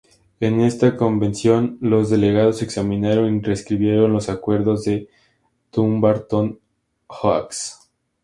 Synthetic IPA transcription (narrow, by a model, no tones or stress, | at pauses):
e̞ne̞st̪ako̞mbe̞nsjo̞nlo̞zðe̞le̞ɣaðo̞se̞ksamĩnaɾo̞nireskɾiβje̞ɾo̞nlo̞sakwe̞ɾðo̞zðe̞ | t̪umbaɾt̪on | xaks